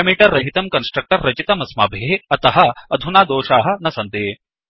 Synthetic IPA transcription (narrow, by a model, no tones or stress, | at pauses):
ɐmiːʈɐɾːɐɦit̪ɐmkɐnsʈɾɐk̚ʈɐɾːɐt͡ʃit̪ɐmɐsma̰ːbʱeɦeɐt̪ɐɦɐɐd̪ʱunaːd̪oːʃaːɦɐ̆nɐsɐnt̪e